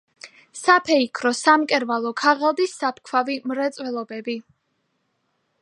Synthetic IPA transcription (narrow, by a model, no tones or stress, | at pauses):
sapʰɛikʰɾɔsamkʼɛɾvalˠɔkʰaʁalˠd̪isːap̚ʰkʰwavimɾɛt̪sʼwɛlˠɔbɛbi